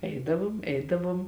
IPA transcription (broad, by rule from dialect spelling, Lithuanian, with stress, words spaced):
ˈɛɪdɐʋoːm ˈɛɪdɐʋuɔm